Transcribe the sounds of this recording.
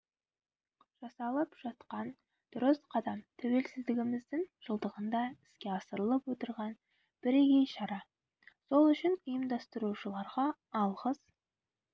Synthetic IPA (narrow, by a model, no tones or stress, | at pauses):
ʒ̥ɑsɑlˠəpʒ̥ɑt̪qɑn | d̪̥ʊɾɪsqʰɑd̪ɑmt̪ʰɵwe̞lsɪzd̪ɪɡʲɪmɪzd̪ɪŋʒ̥əlˠd̪əʁənd̪ɑɪ̥skʲe̞ɑsəɾəlˠəpwo̞t̪əɾʁɑn | b̥ɪɾɡʲejʃɑɾɑ | so̞lˠʏʃɪnəjəmd̪ɑst̪əɾuʃəlˠɑɾʁɑ | ɑlˠʁəz̥